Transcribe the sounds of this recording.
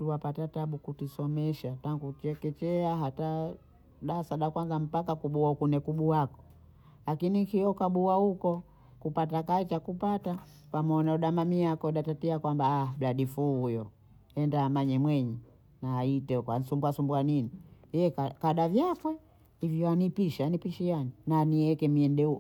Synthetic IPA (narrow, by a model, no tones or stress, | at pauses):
tuwapatataɓukutisɔmɛʃataŋɡutɛkɛt͡ʃɛaɦata | ɗasaɗakwanzam̩pakakuɓuaukunɛkuɓuakɔ̥ | lakinikiɔkaɓuahukɔ | kupatakait͡ʃakupata | pamɔnauɗamamiakɔɗatatiakwambaːm̩ɾaɗifuːhujɔ | ɛndaːmaɲɛmwɛɲɛ | naːitɛkwan̩sumbuasumbuaninijɛkakaɗavjapwɛ | hivjɔanipiʃɛanipiʃianinaniɛkɛmiɛndɛu